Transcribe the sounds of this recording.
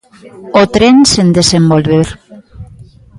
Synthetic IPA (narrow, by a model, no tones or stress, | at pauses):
ot̪ɾensend̪esembolβeɾ